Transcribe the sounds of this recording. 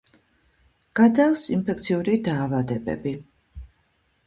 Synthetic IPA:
ɡ̥ad̪afsinpʰɛk̚ʰt̪sʰiuɾid̪aːvad̪ɛbɛ̰bi

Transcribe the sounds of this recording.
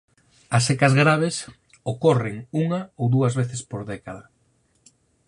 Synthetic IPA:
ɐsekɐzɣɾaβ̞es | okɔreŋuŋaowðuɐzβeθespoɾðɛkaðɐ

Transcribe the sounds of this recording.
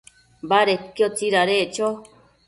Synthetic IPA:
baɾekjot͡siɾaɾet͡ʃo

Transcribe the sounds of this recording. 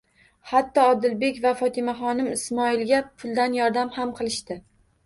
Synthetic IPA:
hat̪ːɒːd̪ɪlbe̞kʲvafɒt̪ʰɪmaχɒnɪmɪsmɒɪlɡʲapʰʊlˠd̪anjɒɾd̪amhamqʰɨlˠɪʃt̪ɪ

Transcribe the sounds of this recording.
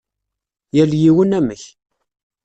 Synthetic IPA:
jæljiwənæməç

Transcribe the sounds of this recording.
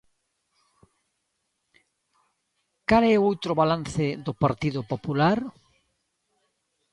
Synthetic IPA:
kalɛowt̪ɾʊβalan̟θɪðʊpaɾt̪iðʊpopulaɾ

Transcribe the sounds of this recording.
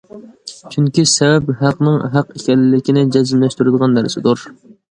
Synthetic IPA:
t͡ʃʰyŋkʲisɛvɛpɦæqnɨŋɦæqekʲɛlːɪlɪkʲinɪd͡ʒɛzɪmlɛʃt̪yɾɪd̪əʁɑnd̪æɾsɪd̪uɾ

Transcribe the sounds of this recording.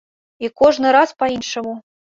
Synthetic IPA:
ikɔʐnɨɾaspainʂɐmu

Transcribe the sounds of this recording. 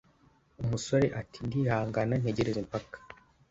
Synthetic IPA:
umuso̞ɾeʔatindihaːŋɡanan̥heɟe̞ɾezempakḁ

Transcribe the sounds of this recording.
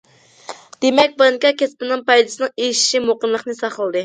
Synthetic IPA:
d̪̥emɛk̚ʲbɑŋkʲɑkʲɛspɪnɪŋpɑjd̪ɨsɨnɨŋejʃi̥ʃimoqənlˠəqnɨsɑχəlˠd̪ɨ

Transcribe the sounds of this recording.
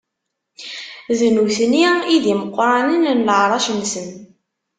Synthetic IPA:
ðnuθniiðiməqːɾˤɑnənnləʕɾˤɑʃənsən

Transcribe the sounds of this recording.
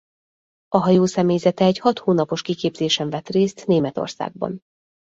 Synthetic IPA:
ɒɦɒjoːsɛmeːjzɛt̪ɛːchɒt̪hoːnɒpo̞ʃkikeːbz̥eːʃɛɱvɛt̪reːst̪neːmɛt̪o̞̰rsa̰ːɡ̚bɒ̰n

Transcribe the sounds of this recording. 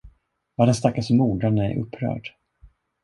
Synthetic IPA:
vaɖɛnst̪akːasɔmːuːɖanəæ̰ɾʔɵ̰pʰːɾœ̰ːɖ

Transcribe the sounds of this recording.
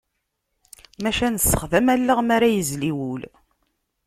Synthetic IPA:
mæʃænəsːə̥χðæmælːəʁmæɾæjəzliwul

